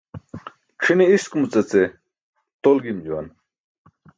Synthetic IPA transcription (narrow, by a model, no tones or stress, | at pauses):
kʰiniiskumut͡sɐt͡se | t̪olɡimd͡ʑuwa̰n